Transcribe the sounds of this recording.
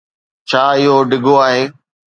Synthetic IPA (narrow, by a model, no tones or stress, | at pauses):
t͡ɕʰaːɪɦoɖɪɡoaːɦeː